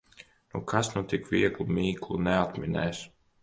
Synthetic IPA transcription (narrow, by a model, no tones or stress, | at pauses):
nukʰasnut̪ikviɛklˠumʲiːklˠunɛat̪mʲinɛ̰js